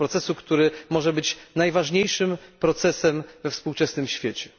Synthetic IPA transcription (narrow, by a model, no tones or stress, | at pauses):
ɾɔt̪sɛsukt̪uɾɘmɔʐɛbɘt͡ɕnajvaʐɲejʂɘmpɾɔt̪sɛsɛmvɛfspuwt͡ʂɛsnɘmɕfʲjet͡ɕɛ̥